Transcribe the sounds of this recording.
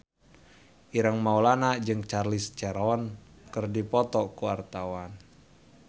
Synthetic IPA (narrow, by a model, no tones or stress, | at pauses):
ʔiɾəŋmaulanad͡ʒɨŋt͡ʃarlist͡ʃɛɾɔɔnkɨrdipɔt̪ɔkuwart̪awan